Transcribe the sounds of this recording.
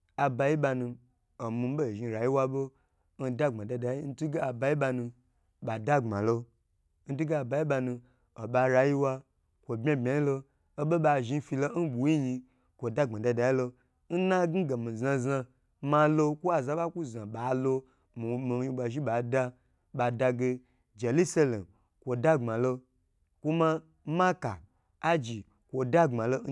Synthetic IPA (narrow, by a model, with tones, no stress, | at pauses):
a˨ba˧ji˦ɓa˧nu˧ | o˨mi˧˦bo˦˨ʒi˧ɾa˨ji˦wa˧bo˦ | n̩˦da˦˨ŋ͡mã˨da˧da˨ji˦n̩˦tu˦ɡe˦a˨ba˧ji˦ba˧nũ˧ | ɓa˨da˦˨ŋ͡mã̰˨lo˧ | n̩˦tu˦ɡe˦a˨ba˧ji˦ɓa˧nũ˧ | o˨ɓa˧ɾa˧ji˦wa˧ | kʷo˨bʲa˦bʲa˨i˦lo˧ | o˦ɓo˦ɓa˧ʒi˧˦fi˧lo˦n̩˦ɓu˨˦ji˦ɲi˧ | kʷo˨da˦˨ŋ͡ma˨da˧da˨ji˦lo˧ | n̩˦na˦ɡ̩˦ɡa˨mĩ˨za˧zã˧ | ma˧lo˧kʷu˦a˨za˨˦ɓa˦ku˦za˨ɓa˨˦lo˧ | mi˨mi˨˦ji˧ɓa˧ʒi˦ɓa˨da˧ | ɓa˨da˧ɡe˧ | d͡ʒe˨lu˦sa˦lḛ˨m | kʷo˨da˦˨ŋ͡mã˨lo˧ | kʷu˦ma˦ | ma˦ka̰˨ | a˦d͡ʒi˨ | kʷo˨da˦˨ŋ͡ma˨lo˦